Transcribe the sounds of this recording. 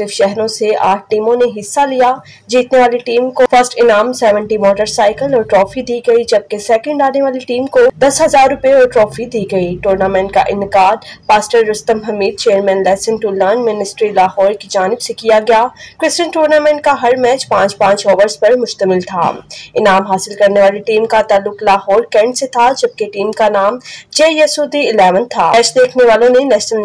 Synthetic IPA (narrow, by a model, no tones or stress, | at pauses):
sɪɾfʃɛɦɾõsea̰ːʈ̚ʰʈiːmõneɦɪsːalijaː | d͡ʒiːt̪neʋaːliʈiːmkofɐɾsʈɪnaːmsɛːʋə̃ɳʈimɔːʈəɾsaːɪkəlɔːɾʈɾɔːfid̪iːɡɐid͡ʒɐb̚kesɛːkə̃ɳɖaːneʋaːliʈiːmkod̪ɐsɦɐzaːɾːʊpeɔːɾʈɾɔːfid̪iːɡɐiʈuːɾnamɛ̃ːɳʈ̚ka̰ʔɪ̰̃nkaːd̪paːsʈəɾːʊst̪əmbʱɐmiːd̪̚t͡ʃeːəɾmɛ̃ːnlɛːsɪ̃nʈuːlːaːnmɪnɪsʈɾilaːɦɔːɾkid͡ʒaːnɪbsekijaɡɐjaːkɾɪst͡ʃə̃nʈuːɾnaːmɛ̃ːɳʈ̚kaɦɐɾmɛːt͡ʃpãːt͡ʃpãːt͡ʃɔːʋəɾspɐɾmʊʃt̪əmɪlt̪ʰa̰ːɪnaːmɦaːsɪlkɐɾneʋaːliʈiːmkat̪aːlːʊklaːɦɔːɾkɛ̃ːɳɖset̪ʰad͡ʒɐb̚keʈiːmkanaːmd͡ʒeːjɐsuːd̪iɪlɛːʋənt̪ʰaːt͡ʃd̪eːkʰneʋaːlõnenɛːʃnəl